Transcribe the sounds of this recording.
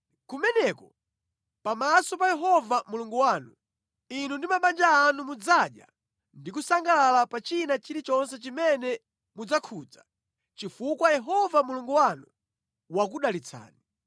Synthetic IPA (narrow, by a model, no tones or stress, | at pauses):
kumɛnɛkɔ | pamasɔpajɛɦɔvamuluŋɡuwaːnu | inundimaɓand͡ʒaːnumud͡zaɗja̰ | ndikusaŋɡalalapat͡ʃinat͡ʃiɾit͡ʃɔns̬ɛt͡ʃimɛnɛ | mud͡zakʰud͡za | t͡ʃifukwajɛɦɔvamuluŋɡuwanu | wak̬uɗalit͡sʰa̰ːni